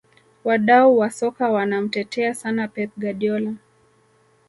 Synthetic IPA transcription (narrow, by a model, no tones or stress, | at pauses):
waɗauwasɔkawanam̩tɛtʰɛasanapɛt̚ɡaɗiɔla